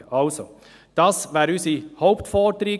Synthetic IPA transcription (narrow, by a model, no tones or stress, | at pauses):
ɑlsɔ | d̪̥ɑsʋæːɾʉsihoʊpt̪fɔːd̪ɾiː